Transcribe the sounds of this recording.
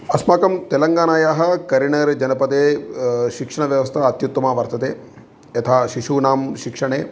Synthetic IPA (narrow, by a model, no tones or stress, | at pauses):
ɐsmaːkɐmt̪elɐŋɡaːnaːjaːɦɐ̆kɐɾiɳɐɾd͡ʒɐnɐpɐt̪eːʃikʂɐɳ̃ɐʋjɐʋɐst̪ʰɐɐt̪jut̪ːɐmaːʋɐɾt̪ʰɐt̪eː | ɐt̪ʰaːʃiʃuːnaːmʃikʂɐɳ̃eː